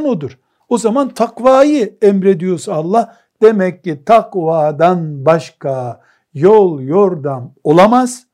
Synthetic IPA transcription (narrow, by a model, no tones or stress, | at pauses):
nod̪uɾ̥ | o̞zamant̪ʰakvaːjɯɛmɾed̪ijo̞ɾsalˠːah | d̪̥emɛcːit̪ʰaqvaːd̪anbaʃka | jolˠjoɾd̪amo̞lˠamaz̥